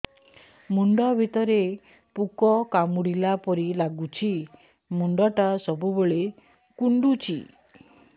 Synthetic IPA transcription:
muɳɖɔbʱit̪ɔɾe | pukɔkamuɽilapɔɾilaɡut͡ʃʰi | muɳɖɔʈasɔbuboɭe | kuɳɖut͡ʃʰḭ

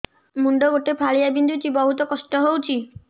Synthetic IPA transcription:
muɳɖoɡoʈepʰaɭijabind̪ʱut͡ʃʰibɔɦut̪ɔkɔsʈɔɦowt͡ʃʰi

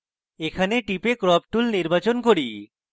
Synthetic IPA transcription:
ekʰaneʈipekɾɔp̚ʈulniɾbat͡ɕonkoɾi

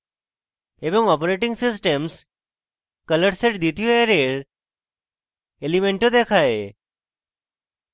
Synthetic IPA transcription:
ebɔŋɡɔpɾeʈĩŋɡsɪsʈems | kələʈseʈd̪it̪ijoeɾeɾ | elimeɳʈod̪ekʰae

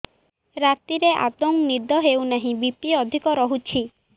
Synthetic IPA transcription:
ɾat̪iɾeʔa̰d̪oŋnid̪ɔɦewnaɦĩbip̚ʈiɔd̪ʱikɔɾɔɦut͡ʃʰi

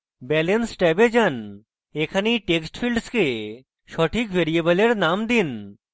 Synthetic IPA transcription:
bɛlensʈɛbed͡ʑan | ekʰaniʈeksʈfʰilɖske | ʃɔʈʰikʋʱeɾiebəleɾnamd̪in

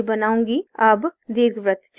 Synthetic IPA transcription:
bɐnaːõːŋɡiɐbd̪eːɾɡʋɾət̪t͡ʃ

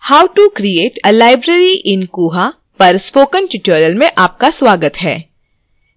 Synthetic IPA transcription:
haːʊʈukɾieːʈəlaːɪbɾeɾiʔɪ̃nkuːɦa | pɐɾspoːkə̃nʈɪʈuɾəlmẽʔaːp̚kasʋaːɡət̪ɦɛ̰ː

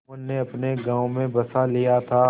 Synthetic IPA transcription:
ənːeɐpneɡãːomẽbɐsalijat̪ʰaː

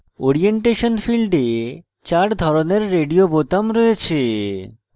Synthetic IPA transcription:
oɾieɳʈeʃonfilɖe | t͡ɕaɾd̪ʱɔɾoneɾːeɖiobot̪amɾɔet͡ɕʰe

